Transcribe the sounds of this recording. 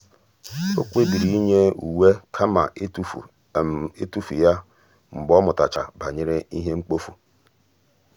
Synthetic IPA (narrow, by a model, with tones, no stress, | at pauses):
o˦kʷe˦bi˨ɾi˨i˦ɲe˦u˨we˦kʰa˦ma̰˨˦˨ | e˦tu˦fu˨ja˦ | ŋ͡m̩˨bɔ˦mʊ˨ta˨t͡ʃa˨ba˨ɲe˦ɾe˦i˦ɦe˦ŋ͡m̩˦k͡po˦fu˨